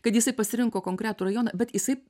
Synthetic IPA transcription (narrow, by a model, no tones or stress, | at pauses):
kɐt̪jɪsɐɪpɐsʲɪɾʲɪŋkoːkoŋkɾʲæːt̪uːɾɐjoːnɐbʲɛt̪jɪsɐɪ